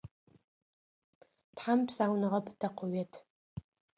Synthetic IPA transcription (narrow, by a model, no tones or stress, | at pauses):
tħampʰsaːwnɨʁɐpʰʼdaqʷʰʊɥetʰ